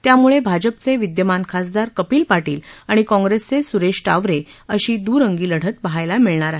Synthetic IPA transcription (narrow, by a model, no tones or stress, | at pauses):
t̪jamuɭebʱad͡ʑəpt͡seʋid̪jəmankʰasd̪aɾkəpiːlpaʈiːlaɽ̃ikɔ̃ŋɡɾest͡sesuɾeɕʈaʋɾeəɕiːd̪uːɾəŋɡiːləɽ̤ət̪bəɦajlamiɭɳaɾaɦe